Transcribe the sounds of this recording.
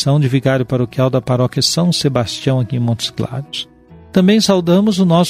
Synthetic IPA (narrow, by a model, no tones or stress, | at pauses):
sɐ̃w̃d͡ʒɪviɡaɾjʊpaɾokiawd̪ɐpaɾɔkjɐsɐ̃w̃sebast͡ʃiɐ̃w̃akiẽmõt̪ʊ̥zkla̰d͡ʒʊs | t̪ɐ̃mbẽj̃sawd̪ɐ̃mʊzʊnɔs